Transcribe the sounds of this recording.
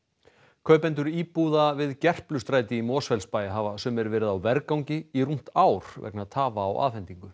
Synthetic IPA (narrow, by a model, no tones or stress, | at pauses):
kʰœɥpɛnt̪̬ʏɾiːpuðavɪðcɛr̥plʏst̪ɾaːjt̪ɪimɔːsfɛlspaːjɪɦaːvasɛmɛɾvɛːɾɪðawvɛɾkawɲcɪirum̥t̪aːwɾ̥vɛ̰knaðt̪ʰaːvaːwʔa̰ːðfɛnt̪iŋkʏ